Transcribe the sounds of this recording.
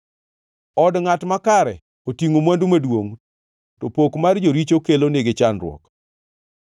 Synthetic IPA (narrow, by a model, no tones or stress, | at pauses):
ɔdŋatmakaɾɛ | otiŋomwandumadwoŋ | tɔpokmard͡ʒoɾit͡ʃokelonɪɡɪt͡ʃanɾwɔ̰k